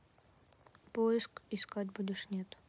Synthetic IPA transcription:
poɪskɪskatʲbudʲɪʂnʲet̪

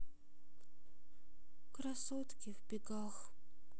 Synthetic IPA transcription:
kɾɐsot̪kʲɪvbʲɪɡax

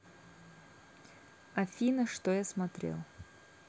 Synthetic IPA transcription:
ɐfʲinəʂt̪ojasmɐt̪ɾʲḛlˠ

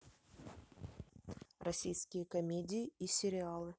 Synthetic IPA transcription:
rɐsʲijskʲɪjəkɐmʲedʲɪɪisʲɪɾʲɪalˠɨ

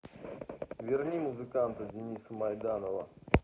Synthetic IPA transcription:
vʲɪrnʲimuzɨkant̪ədʲɪnʲisəmɐjd̪anəvə

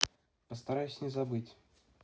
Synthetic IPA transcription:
pəst̪ɐɾajʊsʲnʲɪzabɨtʲ

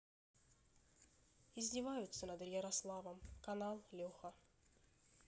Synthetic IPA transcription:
ɪzʲdʲɪvajʊt̪sənɐd̪jəɾɐslˠavəmkɐnalˠlʲoxə

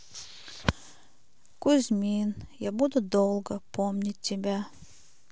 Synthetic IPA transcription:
kuzʲmʲinjɑbud̪ud̪olˠɡəpomnʲitʲːibʲæ

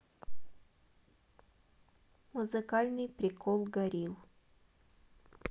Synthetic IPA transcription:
mʊzɨkalʲnɨjpɾʲɪkʰɔlˠɡɐɾʲilˠ

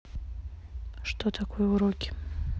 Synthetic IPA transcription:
ʂt̪ʰot̪ʰakʰojɛuɾokʲʰɪ̥

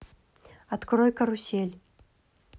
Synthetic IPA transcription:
at̪kɾɔjkɐɾusʲelʲ

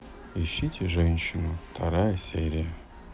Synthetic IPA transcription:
ɪɕːitʲɪʐɛnʲɕɪnʊft̪ʰɐɾajəsʲeɾʲɪjə

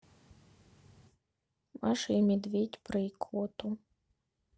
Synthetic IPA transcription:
maʂɐimʲɛd̪vʲetʲpɾɨikʰvɔt̪u

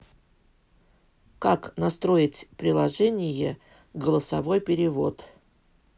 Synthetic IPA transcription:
kaknɐst̪ɾo̞ɪtʲpɾʲɪlˠɐʐɛnʲɪjə | ɡəlˠəsɐvo̞jpʲɪɾʲɪvo̞̰t̪

